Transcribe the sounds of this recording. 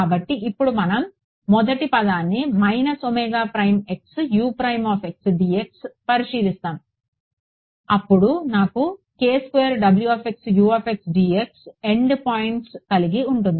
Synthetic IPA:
aːbɐʈːiʔipːuɽumɐnɐmː | ɔd̪ɐʈipɐd̪aːnːimɐjnɐsomɛːɡaːpɾɐjme̞ksjuːpɾɐjmaːfe̞ksɖiːekspɐɾiʃiːlist̪aːnu | ɐpːuɽunaːku | keːskʋeːɐɾɖɐbljuɐːfe̞ksjuːɐːfe̞ksɖiːekse̞ɳɖpaːjiɳʈskɐliɡiuɳʈund̪ii

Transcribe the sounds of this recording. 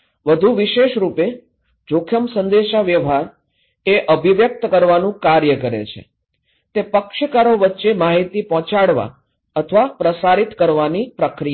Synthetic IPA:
ʋəd̪ʱuʋiʃeʃɾupe | d͡ʒokʰjəmsə̃nd̪eʃaʋjəʋɦaɾ | eʔəbʱiʋjək̚t̪kəɾʋanũkaɾjəkəɾḛt͡ʃʰḛ | t̪epəkʃəkaɾoʋətːʃemaɦit̪ipɔ̃t͡ʃaɽʋa̰ | ət̪ʰəʋapɾəsaɾit̪kəɾʋanipɾəkɾija

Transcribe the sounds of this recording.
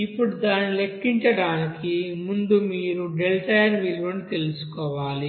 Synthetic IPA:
ipːuɽud̪aːnile̞kːiɲt͡ʃɐɽaːnikimund̪umiːɾuɖelʈɐjɐɾʋilʋonit̪e̞lusu̥kɔːʋaːli

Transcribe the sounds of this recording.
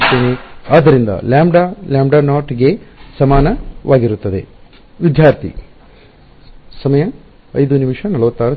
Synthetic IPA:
t̪ːeːneaːd̪ːɐɾind̪ɐ̰laːmɖaljaːmbɖanaːɾʈɡe̞sɐmaːnɐʋʔaːɡiɾut̪ːɐd̪e̞̰ | ʋid̪jaːɾt̪ʰḭ | sɐmɐjɐ | ɐ̰jd̪unimʂɐnɐlɐʋɐt̪ːaːɾɐ

